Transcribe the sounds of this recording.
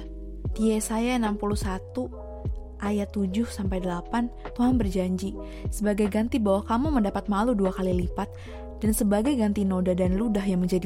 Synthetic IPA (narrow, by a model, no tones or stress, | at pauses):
t̪iesajaənampuluhsat̪u | ʔajat̪ːud͡ʒʊhsampajdəlapant̪uɦanbərd͡ʒaɲd͡ʒi | səbaɡajɡant̪ibawahkamuməndapat̪̚maluduakalilipat̪̚ | d̥ansəbaɡajɡant̪inodadanludahɦjaŋməɲd͡ʒadi